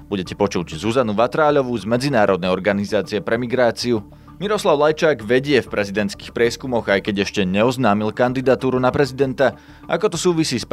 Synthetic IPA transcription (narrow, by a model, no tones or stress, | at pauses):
buɟɛcɛpɔt͡ʃuɟzuzanuʋat̪ɾaːʎɔʋuzmɛd͡zinaːɾɔd̪nɛjɔɾɡanizaːt͡siɛpɾɛmiɡɾaːt͡siu | miɾɔslaʊlajt͡ʃaːɡʋɛɟɪɛfpɾʔɛzid̪ɛnt̪ski̥ːxpɾɪɛskumɔɣajkɛɟɛʃcɛɲɛɔznaːmilkand̪id̪at̪uːɾunapɾɛzid̪ɛnt̪a | ʔa̰kɔt̪ɔsuːʋisiːsp